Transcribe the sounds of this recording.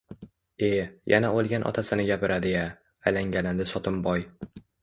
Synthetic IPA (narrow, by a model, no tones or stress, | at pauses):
e̞jʔa̰naolˠɡʲanʔɒ̰t̪ʰasɪnɪɡʲapɪɾʔad̪ɪja | ajlaŋɡʲanɪnd̪ɪsɒt̪ʰɪmbɒj